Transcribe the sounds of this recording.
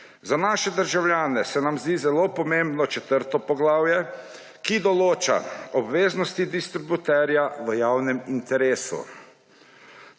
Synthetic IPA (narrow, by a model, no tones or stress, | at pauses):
zanaːʃɛd̪əɾʒawljaːnɛsɛnamzd̪iːzɛloːpɔmembnɔt͡ʃɛt̪əɾt̪ɔpɔɡlaːwjɛ | kid̪ɔloːt͡ʃa̰ɔbʋeːznɔst̪id̪ist̪ɾibut̪ɛɾjaʋəjawnɛmint̪ɛɾeːsṵ